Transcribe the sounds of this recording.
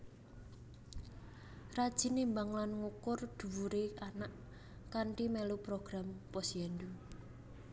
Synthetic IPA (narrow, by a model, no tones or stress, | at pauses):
rad̥ʒ̥i̤nimbaŋlanŋukʊrd̪̥ṳwuɾeanaʔ | kaɳʈimɛlupɾoɡ̥ɾampɔsɛndu